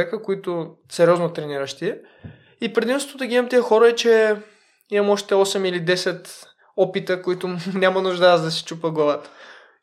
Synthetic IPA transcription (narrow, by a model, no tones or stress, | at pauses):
ɛkəkoit̪ʊ | sɛɾʲɔznot̪ɾɛniɾəʃt̪iɛ | ipɾɛd̪imst̪od̪ɐɡʲimɐmt̪iəxɔɾəɛt͡ʃɛ | imɐmɔʃt̪ɛɔsɛmilid̪ɛsɛt̪ | ɔpit̪əkoit̪ʊnʲamənʊʒd̪ad̪ɐsi̥t͡ʃupəɡlˠɐvat̪ə̥